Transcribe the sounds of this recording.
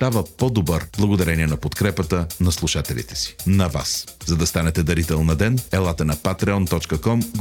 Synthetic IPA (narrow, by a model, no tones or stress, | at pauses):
d̪̥avəpɔd̪obəɾblˠɐɡod̪ɐɾɛniɛnɐpot̪kɾɛpət̪ənɐslˠuʃat̪ɛlʲḭt̪ɛ̥si̥nɐva̰szɐd̪ɐst̪anɛt̪ɛd̪ɐɾit̪ɛlˠnɐd̪ɛnɛlˠat̪ənɐpat̪ɾɛɔnt̪ɔt͡ʃkəkɔmɡ